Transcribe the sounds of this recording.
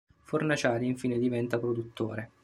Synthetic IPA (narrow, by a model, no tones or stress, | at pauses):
fornat͡ʃaːliɱfiːned̪ivɛnt̪apɾod̪ut̪ːo̰ːɾe